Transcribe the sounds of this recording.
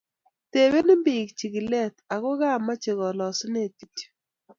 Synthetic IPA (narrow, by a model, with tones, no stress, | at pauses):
te˨we˦nɪ˦mbɪ˨kt͡ʃi˨ki˨lɛ˦˨t̪a˨kʊ˦ɡa˦˨mːa˦t͡ʃɪ˨ɣɔ˨lɔ˨sne˦˨ti̥˨ti̥˦